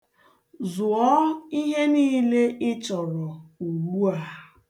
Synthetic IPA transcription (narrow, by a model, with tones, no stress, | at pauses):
zʊ˨ɔ˦i˦ɦe˦niː˦le˦ʔɪ˦t͡ʃɔ˨ɾɔ˨u˨ɡ͡bu˦a˨˦